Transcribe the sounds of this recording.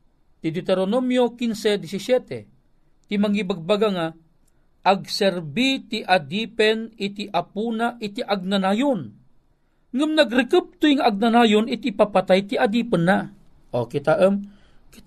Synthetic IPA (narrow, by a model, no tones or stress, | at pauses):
t̪id̪it̪ɛɾonomjokinsed̪isisjɛt̪ḛ | t̪imaŋibaɡ̚baɡaŋa | ʔːɡsɛɾbit̪iʔad̪ipɛnit̪iʔapunaʔit̪iʔaɡ̚nanajon | ŋɨmnaɡɾɪkəp̚t̪ujŋaʔaɡ̚nanajonit̪iʔpapat̪ajt̪iʔad̪ipənːa | okit̪aʔəm | ki̥